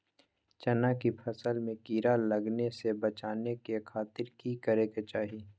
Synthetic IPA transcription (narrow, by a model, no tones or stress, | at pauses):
t͡ʃɐnakipʰɐsəlmẽkiːɾalɐɡnesebɐt͡ʃaːnekekʰaːt̪ɪɾkikəɾeːket͡ʃaːɦiː